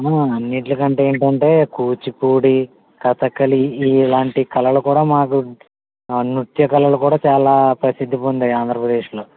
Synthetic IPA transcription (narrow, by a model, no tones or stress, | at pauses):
aɐnːiʈ̬lɐkɐɳʈeeːɳʈɐɳʈe̞ːkuːt͡ʃipuːɽi | kɐt̪ɐkːɐliːlaːɳʈikɐlɐlukuːɽaːmaːku | nut̪jɐkɐlɐlukuːɽaːt͡ʃaːlaːpɾɐsid̪ʱːipoːnd̪iaːnd̪ʱɾɐpɾɐd̪e̞ːʂlo̞ː